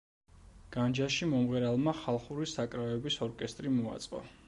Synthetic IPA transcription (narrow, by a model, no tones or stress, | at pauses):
ɡ̥and͡ʒaʃimɔmʁɛɾalˠmaχalˠχuɾisakʼɾaɛbisɔɾkʼɛst̪ʼɾimɔa̰t̪sʼqʼɔ̰